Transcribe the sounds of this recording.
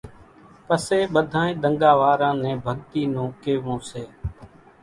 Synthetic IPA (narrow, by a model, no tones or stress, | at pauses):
pəseːɓəd̪ʱãːẽːɗ̪əŋɡaːʋaːɾãːnɛ̃ːbʱəɠt̪iːnũːkeːʋõːseː